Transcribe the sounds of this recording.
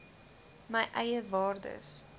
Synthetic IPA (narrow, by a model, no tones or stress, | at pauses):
məjʔɛjəvɑːrdə̰s